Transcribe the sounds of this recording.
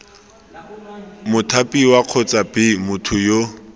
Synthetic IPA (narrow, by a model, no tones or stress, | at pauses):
mʊtʰapʼiwaq͡χʰɔt͡sʼabɪmʊtʰʊjo